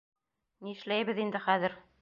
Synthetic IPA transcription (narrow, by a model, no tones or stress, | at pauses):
niɘ̆ʃlæjβɘ̆ðind̪ɘχæðɘɾ